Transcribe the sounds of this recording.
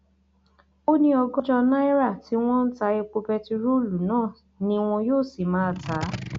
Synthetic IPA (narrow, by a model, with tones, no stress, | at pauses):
o˦nĩ˧˦ɔ˧ɡɔ˦d͡ʒɔ˧nã˦i˦ɾa˦˨ti˨˦w̃ɔ̃˦n̩˦ta˧˦e˧k͡po˧pɛ˧ti˧ɾo˦˨lu˨˦nãː˦˨ | nĩ˧w̃ɔ̃˧joː˦˨si˨mã˨˦˨ta˨˦